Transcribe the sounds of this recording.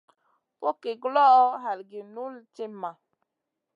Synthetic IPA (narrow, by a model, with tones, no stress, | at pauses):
po˦ke˨ɡlɔ˦ʔɔ˦ɦa˨lɡi˨nu˦lt͡ʃe˦ma˨